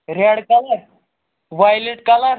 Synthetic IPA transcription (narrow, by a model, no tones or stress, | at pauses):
ɾɛɽkalaɾ | ʋajleʈkalaɾ